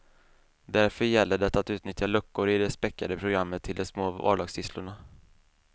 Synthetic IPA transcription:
d̪æɾfœɾjɛlːəɖɛt̪ːat̪ʉ̟ːt̪nʏt̪jalɵkːʊɾɪd̪ɛspɛkːad̪əpʰɾʊɡɾamːət̪ʰːɪld̪ɛsmoːɑ̰ːɖɑːɡst̪ʰɪslʊɳa

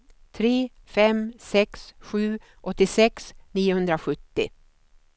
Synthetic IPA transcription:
t̪ʰɾeː | fɛmsɛksɧʉ̟ː | ʔɔt̪ːɪsɛksniːʊhɵnd̪ɾaɧɵt̪ːɪ̰

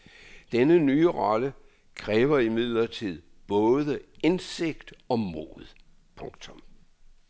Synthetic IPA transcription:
d̥enənyːəʁɒ̽lə | kʰʁɛːʋɐimið̞̰ˠlɐt͡sʰið̞̰ˠb̥ɔ̽ːðˠəense̝ɡ̥d̥ɒ̽mo̝̰ðˠ | pʰɔ̽ŋɡ̥t͡sʰɔ̽m

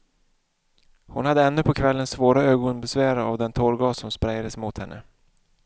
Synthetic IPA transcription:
hʊnhad̪ːəɛnːɵpʰɔkʰvɛlːənsvoːɾaøːɡɔŋnbɛsvæːɾaavd̪ɛnt̪ʰɔɾɡɑːsɔmspɾajad̪əsmʊt̪hɛnːʔə̰

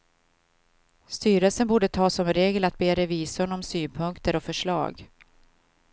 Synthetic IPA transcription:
st̪yːɾəlsənbuːɖət̪ʰɑːsːɔmɾeːɡəlat̪̚beːɾɛviːsʊnɔmsyːnpʰɵŋkt̪əɾɔfœʂɭɑ̰ːɡ

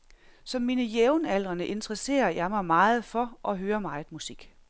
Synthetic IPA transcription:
sɒ̽mːiːnəjeʊnæl̰ʁɐnəʔe̝nd̥ʁəse̝̰ːɐjɑ̈ɪmɑ̈ɪmɑ̈ːð̞̩ˠfɒ̽ʔɒ̽ɦøːɐmɑ̈ɪmusiɡ̥

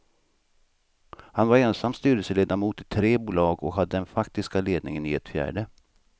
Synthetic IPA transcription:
hanvaɾɛnsamːst̪yːɾəlsəleːd̪amuːt̪ɪt̪ʰɾeːbuːlɑːɡɔkɦad̪ːəd̪ɛnfakt̪ɪskaleːd̪nɪŋənɪɛ̰t̪fjæ̰ːɖə

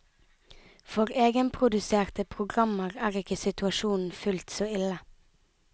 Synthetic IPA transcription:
fɔʁeːɡənpʰʁʊd̪ʉseːʁt̪əpʰʁʊɡʁɑməʁæːʁɪkəsɪt̪ʉɑʃuːn̩fʉlt̪soːɪlə

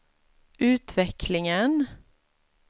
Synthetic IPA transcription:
ʔʉːt̪ʰʋɛkʰlɪŋən

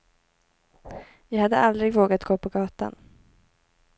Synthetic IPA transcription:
vɑːhad̪ːəʔald̪ɾɪɡvoːɡat̪ɡoːpʰɔɡɑːt̪a̰n

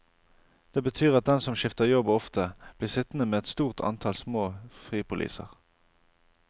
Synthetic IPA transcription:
d̪̥eːbət̪ʰyːʁɑt̪̚d̪ɛnsɔmʃɪft̪əʁjɔbɔft̪ʰəb̥liːʁsɪt̪nəmeːɛt̪st̪uːʁt̪ʰɑ̰nt̪ʰɑlsmoːfʁiːpʊlḭːsə̰ʁ

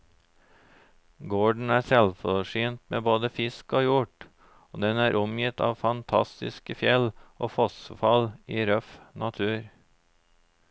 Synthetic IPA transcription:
ɡoːɖɳ̩æːsɛlfɔʂyːnt̪meːboːd̪əfɪskoːjʊʈ | oːd̪ɛnæːɾʔʊmjɪt̪ʰɑ̰ːʋfɑnt̪ʰɑ̰st̪ɪskəfjɛlʔoːfɔsfɑliːɾœfnʔɑt̪ʰʉːɾ

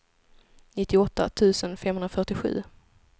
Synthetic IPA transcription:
nɪt̪ʰːɪɔt̪ːa̰t̪ʰʉ̟ːsənfɛmɦɵnɾafœʈɪɧʉ̟̰ː

